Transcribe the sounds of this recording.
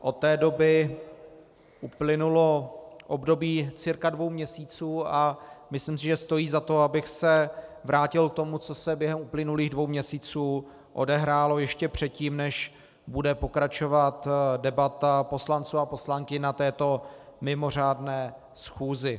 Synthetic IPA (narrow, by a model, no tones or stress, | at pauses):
ʔo̞t̪ːɛːdo̞bɪ | ʔuplɪnulo̞ʔobdo̞biːt͡sɪɾkadvo̞wmɲɛsiːt͡suːamɪslɪmsɪʒɛst̪o̞jiːzat̪o̞abɪxsɛvɾʔaːcɪlk̚t̪omut͡so̞sɛbjɛɦɛmʔuplɪnuliːɣdvo̞wmɲɛsiːt͡suː | ʔodɛɦɾaːlo̞jɛʃcɛpr̝̥ɛt̪̚ciːmnɛʃ | budɛpo̞kɾat͡ʃovat̪dɛbat̪apo̞slant͡suːapo̞slaŋkɪnat̪ɛːt̪o̞mɪmo̞r̝aːdnɛː | sxuːzɪ